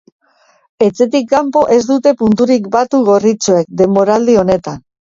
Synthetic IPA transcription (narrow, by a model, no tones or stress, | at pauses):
e̞t͡se̞t̪ikːampo̞ʔe̞zd̪ut̪e̞punt̪uɾikbat̪uɣo̞rit͡soe̞k̚d̪e̞mbo̞ɾald̪io̞ne̞t̪an